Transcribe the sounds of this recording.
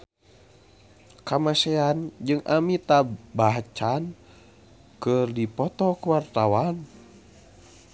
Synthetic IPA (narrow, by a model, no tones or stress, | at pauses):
kamasɛand͡ʒɨŋʔa̰mit̪abaɦt͡ʃan | kɨrdipɔt̪ɔkuwart̪awan